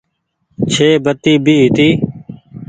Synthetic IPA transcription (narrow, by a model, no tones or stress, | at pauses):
t͡ʃʰeːbət̪iːbʱiːɦɪt̪iː